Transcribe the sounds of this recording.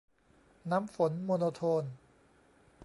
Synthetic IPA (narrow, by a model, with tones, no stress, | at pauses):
na˦˥mfo˩˦nmoː˧noː˧t̪ʰoː˧n